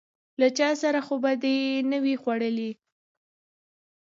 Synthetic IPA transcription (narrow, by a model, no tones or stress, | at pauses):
lat͡ʃɑsaɾaxobad̪ənəwixwaɽəli